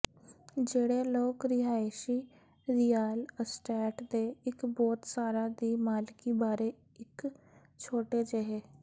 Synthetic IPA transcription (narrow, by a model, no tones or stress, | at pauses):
d͡ʒeːɽeːloːkɾɪɦaːeʃiː | ɾɪjaːləsʈɛːʈd̪eːɪkbɔːt̪saːɾaːd̪iːmaːlkiːbaːɾeː | ɪk | t͡ʃʰoːʈeːd͡ʒeɦeː